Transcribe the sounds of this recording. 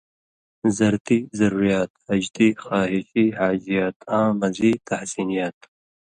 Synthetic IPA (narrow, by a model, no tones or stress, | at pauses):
zɐɾt̪izɐɾuːɾijaːt̪ɐd͡ʒd̪ixɑːɦɪʃihaːd͡ʒijɑːt̪ʰãːmɐziːt̪ʰahsinijaːt̪̚